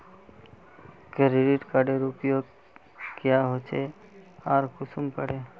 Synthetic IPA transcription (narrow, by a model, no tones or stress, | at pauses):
kəɾɪɖiʈkaɖeɾʊpjo | kjaɦot͡ʃʰe | aːɾkʊsumkəɾeː